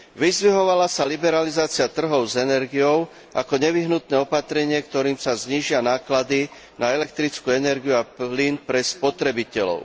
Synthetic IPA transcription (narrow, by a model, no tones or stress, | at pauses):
ʋizʋiɦɔʋalasalibɛɾalizaːt͡sɪat̪r̩ɦɔʊzɛnɛɾɡijɔʊ | ʔa̰kɔɲɛʋiɦnut̪nɛːɔpat̪ɾɛɲɪɛkt̪ɔɾiːmsazɲiːʒɪanaːklad̪i | naɛlɛk̚t̪ɾit͡skuːɛnɛɾɡijuaplinpɾɛspɔt̪ɾɛbicɛlɔ̰ʊ